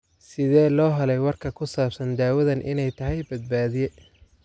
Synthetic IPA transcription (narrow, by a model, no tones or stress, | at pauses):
sɪðɛːlɔːɦɐlɛjwɐrkʰɐkʰʊsaːbsɐnd̪aːwɐðɐnʔɪnɛjt̪ʰɐɦɛjbɐd̪̚baːðɪjɛ